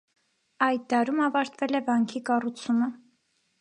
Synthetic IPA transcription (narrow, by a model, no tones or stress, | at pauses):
ɑjd̪̚ːɑɾumɑvɑɾt̪vɛlɛbɑŋkʰikɑrut͡sʰumə